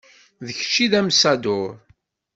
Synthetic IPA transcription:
ðəçt͡ʃːiðæmsæd̪ʊɾ

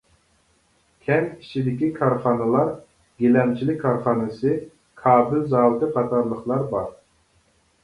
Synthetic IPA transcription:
kʲʰɛmi̥t͡ʃʰid̪ɪkʲikʰɑɾχɑːnɨlˠɑɾ | ɡʲelɛmt͡ʃʰilɪkʲkʰːɑɾχɑːnɨsɨ | kʰɑːbɪlzɑːwt̪ɨqʰɑt̪ʰɑɾlˠəχlˠɑɾbɑɾ

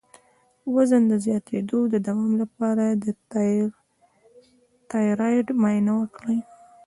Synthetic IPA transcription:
wazənd̪əzjɑt̪ʰed̪od̪əd̪awɑmlapɑɾad̪ə | t̪ɑjɾɑjʈmɑjnawəkɽəj

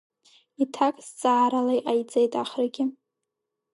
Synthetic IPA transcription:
itʰakʼzt͡sʼaːɾalejʔajd͡zʼejtʼaχrɡʲɪ

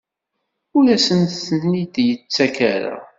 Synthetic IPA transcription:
ʊlæsənθənːid̪jət͡sːækæɾa̰

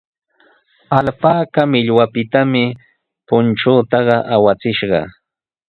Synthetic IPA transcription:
alpaːkamɪʎwapɪt̪amɪ | pʊnʈ͡ʂuːt̪ɑɢɑʔawat͡sɪʃɢɑ̰

